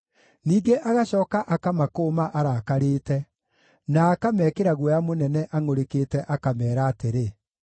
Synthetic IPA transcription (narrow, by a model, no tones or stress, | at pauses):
niːɡeʔaɣaɕɔːkaʔakamakoːmaʔaɾakaɾeːtɛ | naːkamɛːkeɾaɣwɔjamonɛnɛʔaŋoɾekeːtɛʔakamɛːɾaːteɾe